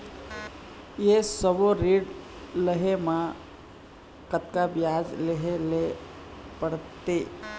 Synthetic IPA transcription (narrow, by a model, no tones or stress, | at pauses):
jesəboɾiːɖ | ləɦemã | kət̪kabjaːd͡ʒleɦele | pəɽt̪eː